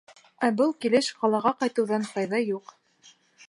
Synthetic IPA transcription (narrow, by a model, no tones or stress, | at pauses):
æbɤlˠkilɘʃqɑlˠɑʁɑqɑjt̪ɤ̆wðɑnqɑjðɑjuq